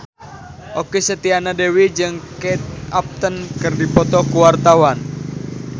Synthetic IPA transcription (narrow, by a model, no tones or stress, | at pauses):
ʔokisət̪ianadewid͡ʒɨŋkɛt̪̚ap̚t̪ənkɨrdipɔt̪ɔkuwart̪awan